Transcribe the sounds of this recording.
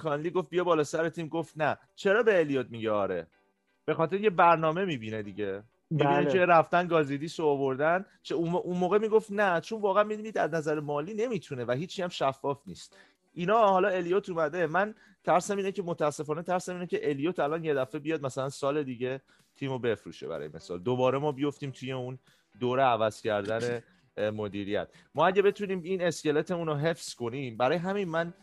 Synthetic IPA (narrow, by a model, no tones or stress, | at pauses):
kʰɒnliɡo̞ft̪bijɒbɒːlɒːsæɾet̪ʰiːmɡo̞ft̪næ | t͡ʃʰe̞ɾɒːbe̞ːljot̪̚miɟeɒ̰ːɾe̞̰ | b̥e̞xɒːt̪eɾeiŋcʰebæɾnɒːme̞miːbined̪iɟe | mibineeɾæft̪ænɡɒːzid̪iːsoːvoɾd̪æn | t͡ʃʰeunʔunmoːɣe̞miːɡo̞ft̪næt͡ʃʰonvɒːɣææmid̪unid̪æ̰znæzæɾemɒːliːne̞miːt̪ʰune̞væɦiːt͡ʃʰːiæmʃæfːɒːfnḭːst̪̚ | ʔinɒːhɒːlɒe̞lijoːt̪ʰuːmæd̪e̞mæn | t̪ʰæɾsæmiːnece̞mot̪ʰææsːe̞fɒːne̞t̪ʰæɾsæmiːnecʰe̞ʔe̞lijoːt̪ʰælɒnje̞d̪æfe̞bijɒːd̪̚mæsælænsɒːle̞d̪iːɟe̞ | t̪ʰiːmobe̞fɾṵʃebæ̰ɾɒ̰jḛmesɒ̰ːld̪obɒːɾe̞mɒːbijo̞ft̪iːmt̪ʰuje̞un | d̪oːɾeævæz̥cʰæɾd̪æne | mo̞d̪iːɾijæ̰t̪̚ʰ | mɒːæɟebe̞t̪ʰuniːmine̞sce̞let̪ʰeuːnoɦe̞fsko̞niːmbæɾɒːjeɦæminmæn